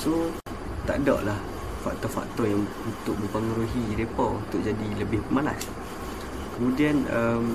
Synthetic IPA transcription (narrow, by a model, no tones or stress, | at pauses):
so | t̪a̰ʔdɔ̰ʔlah | fa̰k̚t̪ɔfa̰k̚t̪ɔrjaŋ | unt̪ʊk̚mə̃mpəŋuɾuɦiɾepɔunt̪ʊʔ̚d͡ʒadiləbɪhpəmalas | kəmũdianəm